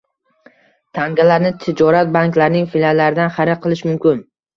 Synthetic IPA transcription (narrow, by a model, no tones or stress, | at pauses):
t̪ʰaŋɡʲalaɾnɪt̪ʰɪd͡ʒɒɾat̪̚baŋklaɾnɪŋfɪlʲalːaɾɪd̪anχaɾɪqʰːɨlˠɪʃmʊmkʲɪn